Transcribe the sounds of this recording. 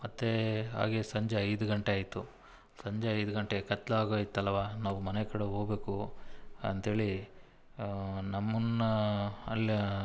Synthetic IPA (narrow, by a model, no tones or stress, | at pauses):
mɐt̪ːeɦa̰ːɡeːsɐɲd͡ʒeɐjd̪uɡɐɳʈeaːjit̪ːu | sɐɲd͡ʒeɐjd̪uɡɐɳʈeɡekɐt̪ːlaːɡoːjit̪ːɐlːʋaːnaːʋumɐnekɐɽeɦoːɡbe̞ːku | ɐ̰nt̪e̞ːɭi | nɐmːɐn | ɐlː